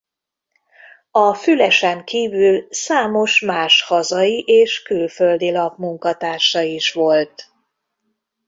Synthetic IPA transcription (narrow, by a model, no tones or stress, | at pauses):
ɒfylɛʃɛŋkiːvylsaːmo̞ʃmaːʃhɒzɒiʔeːʃkylføld̪ilɒbmuŋkɒt̪aːʃɒiʃʋo̞lt̪